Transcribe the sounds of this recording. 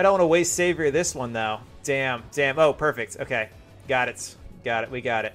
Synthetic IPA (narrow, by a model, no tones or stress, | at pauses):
aɪɾõnwɑnəweɪstseɪvəiðɪswʌ̃nðaʊ | d̥æ̃md̥æ̃moʊpʰɜ˞fɪk̚to̰ʊkʰeɪ | ɡ̥ɑɾɨtsiɡ̥ɑɾɨt̚wiɡɑɾɨt̚